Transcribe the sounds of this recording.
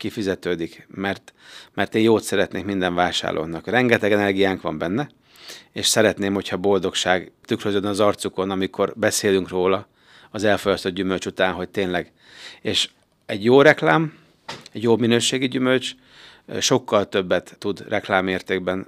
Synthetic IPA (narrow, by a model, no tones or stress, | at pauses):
kifizɛt̪øːd̪ikmɛrt̪mɛrt̪eːjoːt̪sɛɾɛt̪neːkmind̪ɛɱvaːʃa̰ːrlʔo̰nɒkrɛŋɡɛt̪ɛɡɛnɛrɡijaːŋkʋɒmbɛnːɛ | eːʃsɛɾɛt̪neːmho̞cʰhɒbo̞ld̪o̞kʃaːɡt̪ykrøzød̪ɛnɒzɒrt̪suko̞nɒmikʰo̞rbɛseːlyŋkroːlɒ | ɒzɛlfo̞jɒst̪od̪ɟymølt͡ʃut̪aːnɦo̞c̚t̪eːnlɛɡ | eːʃ | ɛɟjoːrɛklaːm | ɛɟjoːminøːʃeːɡiɟymø̞lt͡ʃ | ʃo̞kːɒlt̪ø̞bːɛt̪ːud̪rʔɛklaːmːeːrt̪eːɡbɛn